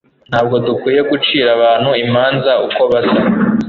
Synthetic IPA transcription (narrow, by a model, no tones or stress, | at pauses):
n̥haːb̚ɡo̞dukwiːje̞ɡut͡ʃiːɾaβaːn̥huimaːnzauko̞βasa